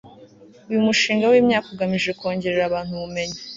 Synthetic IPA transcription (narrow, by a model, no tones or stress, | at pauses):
ujumuʃiːŋɡawiːmɲaːkoɡamiʒe̞ko̞ːɲɟe̞ɾeɾaβaːn̥huβume̞ɲa